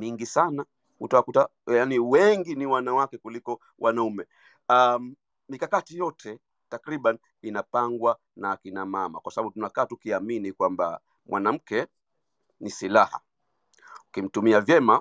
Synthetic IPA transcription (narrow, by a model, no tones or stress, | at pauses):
miŋɡisana | hutawakutajaniwɛŋɡiniwanawakɛkulikɔ | wʔanaumɛ | a | mikakatijɔtʰɛ | takɾiɓan | inapaŋɡwa | naːkinamama̰kwasaɓaɓutunakaːtukiaminikwamba̰ | mwanam̩kɛ | nisilaha̰ | ukim̩tumiavjɛma